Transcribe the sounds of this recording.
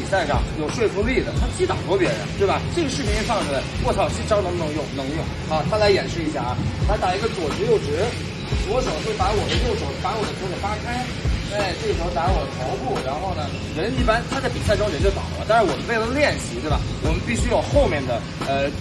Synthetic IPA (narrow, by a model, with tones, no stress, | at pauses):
i˨˩sa˥˩ɪka̰˨˩jo˨˩ʊʂwe˥˩ɪfʰu˥ŋli˥˩d̪ə˩t̪ʰa˥t͡ɕi˧˥t̪ɑ̰˨˩t̪wɔ˥pjɛ˧˥ɻə̰˧˦˥nt̪we˥˩bɐ˩ʈ͡ʂɤ˥˩ɡə˦ʂɻ̩˥˩pʰi˧˥ŋ˥˧ʂɑ˥˩ŋdə˨˩˥kwɔ˥˩ɑ˥˩ʊ˩ɕi˥˩ʈ͡ʂɑ˥ʊnɤ˧˥nʊ˧˥ŋjʊ˥˩ŋnɤ˧˥ŋjʊ˥˩ŋxɑ˧˥d̪t̪ʰa˥la˧˥ɪjɛ˨˩nʂɻ̩˥˩i˧˥ɕja̰˥˩la˧˥ɪt̪a˨˩i˧˥ɡə˧t͡swɔ˨˩t͡ɕu˧˥jo˥˩ʊʈ͡ʂɻ̩˧˥ | t͡swɔ˧˥ʂo˨˩ʊxwe˥˩pa˧˥wɔ˨˩d̪ə˦jo˥˩ʊʂo˨˩ʊpa˧˥wɔ˨˩d̪ə˦tʰo˨˩fa˥kʰa˥ɪ | e˥˩ɪʈ͡ʂɤ˥˩˧t̪a˧˥lwɔ˨˩d̪ə˧t̪ʰo˧˥ʊpu˥˩ɻa˧˥nxo˥˩ʊnə˩ | ɻə˧˥ni˥˩pa˥nt̪ʰa˥t͡sa˥˩ɪpi˨˩sa˥˩ɪʈ͡ʂʊ˥ŋɻə˧˥nt͡ɕjo˥˩ʊt̪a̰˨˩˦t̪a˥˧ɻʂa˥wɔ˨˩mə˧˦nwe˥˩ɪlə˩ljɛ˥˩nɕi˧˥t̪we˥˩bɐ̰˩wɔ˨˩mə˦npi˥˩ɕy˥jo˨˩ʊxo˥˧ʊmjɛ˥˩nd̪ə˩ | ə˧